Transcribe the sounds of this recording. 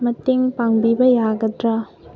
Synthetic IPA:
mɐteŋpaŋbibɐjaɡɐdɾɐ

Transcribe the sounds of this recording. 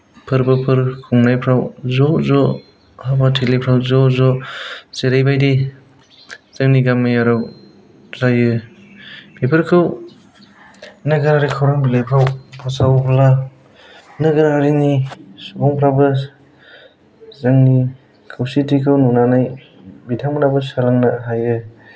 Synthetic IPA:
pʰɯɾbɯpʰɯɾkʰuŋnajpʰɾawzɔzɔ | habatʰelepʰɾawzɔzɔseɾajbajdi | z̥ɯŋniɡamːɯjaɾɯw | zajɯ | bepʰɯɾkʰɯw | nɯɡɯɾaɾikʰawɾaŋbilepʰɾawpʰasawpʰla | nɯɡɯɾaɾinisubɔŋpʰɾabɯ | zɯŋni | kʰɯwsitikʰɯwnɔnanaj | bitʰaŋmnabɯsalaŋnaɦajɯ

